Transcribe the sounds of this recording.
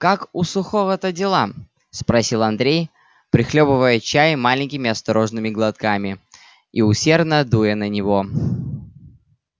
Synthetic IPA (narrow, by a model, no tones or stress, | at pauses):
kakʊsʊxovət̪ədʲɪlˠa | spɾɐsʲilˠɐnd̪ɾʲej | pɾʲɪxlʲopɨvəjət͡ɕæjmalʲɪnʲkʲɪmʲɪɐst̪ɐɾo̞ʐnɨmʲɪɡlˠɐt̪kamʲɪ | iʊsʲe̞rd̪nəd̪ujənənʲɪvo̞